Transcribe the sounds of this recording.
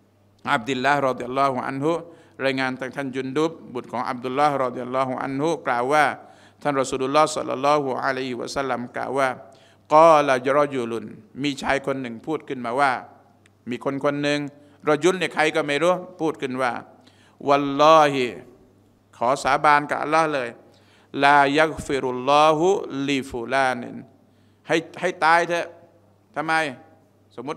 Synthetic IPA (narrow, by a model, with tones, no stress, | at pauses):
ʔa˧˩b̚d̪i˧lːa˦˥hɾɔ˧d̪i˧a˧lːɔː˦˥hu˧ʔa̰˧nɦu˦ | ɾaː˧jŋaː˧nt̪ʰaː˥˩ŋt̪ʰa˥˩nd͡ʑu˧ndu˦˥p̚bu˨˩t̪̚kʰɔː˩˦ŋʔa̰˧b̚d̪u˧lːa˦hɾɑ˧d̪i˧ja˧lːɔː˦˥ɦu˧˦ʔa̰˧˥nhu˦klaː˨˩wːaː˥˩ | t̪ʰa˥˩nɾa˧suː˧lʔu˧lːɔː˥˩sɔ̰˧lːɔ̰˧lːɔː˦˥hu˧ʔa̰˧la˦˧jhi˧wa̰˧sa˥lːa˧mkla̰ː˨˩wːaː˥˩ | qɔː˧˩la˨jɾɔ˦d͡ʒu˧lu˧nmiː˧t͡ɕʰaː˧jkʰo˧nːɯ˨˩ŋpʰuː˥˩t̪̚kʰɯ˥˩nmaː˧waː˥˩ | miː˧kʰo˧nkʰo˧nːɯ˧ŋ | ɾɔ˧˥d͡ʒu˧˦˥lni˧˩kʰa˧jkɔː˥˩ma˧˩jɾuː˦˥˩pʰuː˥˩t̪̚kʰɯ˧˥˩nwaː˧˩ | wa˧lːɔː˦˥hi˧ | kʰɔː˨˩˦saː˨˦baː˧nka̰˨˧˩ʔa̰˧˨lːɔː˦˥hlɤː˧j | laː˧ja˦ɣfi˧ɾu˨lːɔː˧ɦu˧li˧fu˨laː˧nḭ˨n | ha˥˩jha˥˩jt̪aː˧jt̪ʰɯ˧˥ | t̪ʰa˧mːa˧j | so˨˦mːu˦t̪̚